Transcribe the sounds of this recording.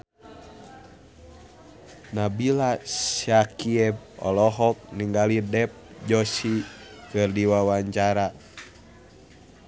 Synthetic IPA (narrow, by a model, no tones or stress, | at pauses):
nabilasakiɛb̚ɔ̰lɔɦɔk̚niŋɡalidɛp̚d͡ʒɔsikɨrdiwawaɲt͡ʃaɾa